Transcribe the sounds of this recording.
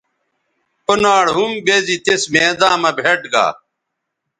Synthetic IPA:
pənaːɽɦumbezit̪esmeːd̪aːmɐbʱeʈɡa̰ː

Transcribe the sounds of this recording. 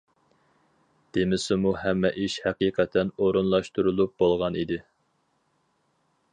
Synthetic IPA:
d̪̥emɪsɪmuhɛmːɛʔiʃhɛqiːqʰɛt̪ʰɛnoɾunlˠɑʃt̪uɾulˠup̚bolˠʁɑnid̪ɪ

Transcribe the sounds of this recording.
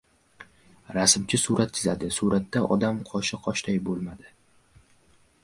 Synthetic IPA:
ɾasɪmt͡ʃʰɪsuɾʔat̪̚t͡ʃʰɪzad̪ɪsuɾat̪ːaʔɒ̰d̪amqʰɒʃɪqʰɒʃt̪ajbolˠmad̪ɪ

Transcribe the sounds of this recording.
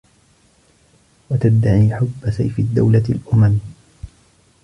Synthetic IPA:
wat̪ad̪ːaʕiːħʊbːasajfɪd̪ːa̰wlalʔʊmam

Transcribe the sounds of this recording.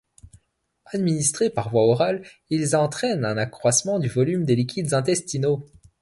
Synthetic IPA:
ad̪minist̪χepaʁvwaɔʁal | ilzɑ̃t̪χɛnɛ̃nakχwasmɑ̃d̪yvɔlymd̪elikʲʰid̪zɛ̃t̪ɛst̪ino

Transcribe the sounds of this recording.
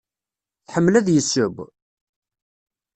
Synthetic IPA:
θħəmːlæðjəsːəb

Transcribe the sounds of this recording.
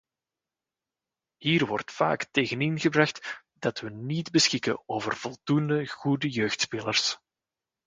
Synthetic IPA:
hiːrʋɔrtfa̰ːkteːɣənɪnɣəbrɑxt | d̥ɑtʋənidbəsxɪkəoːvərv̥ɔlˠdundəɣudəjøːxtspeːlərs

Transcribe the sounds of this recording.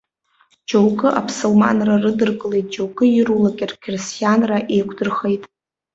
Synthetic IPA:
d͡ʒowkʼɨʔapʰsolma̰nrarɨdɨrkʼɨlejt̚ʼd͡ʒowɡʼɨjɪɾulakʲʼɪrkʲʰrɪstʰʼijanraʔe̞jkʷʰdɨrχejtʼ

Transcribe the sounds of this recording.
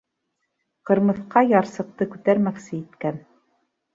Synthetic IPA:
qɤ̆ɾmɤ̆θqɑjɑɾsɤ̆q̚t̪ɤkʉt̪æɾmæksɘit̪kæn

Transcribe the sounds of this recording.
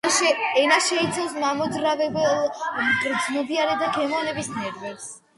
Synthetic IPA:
ɛnaʃɛit̪sʰawsmamɔd̪zɾavɛbɛlˠmtʼɾd̪zmɔd̪iaɾɛd̪akʰɛmɔnɛbisnɛɾvɛɾs

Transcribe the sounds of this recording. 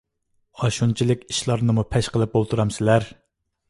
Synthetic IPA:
ɑʃunt͡ʃʰilɪkʲiʃlˠɑɾnɨmupʰɛʃqəlˠɨp̚bolˠt̪ʰuɾɑmsɪlæɾ

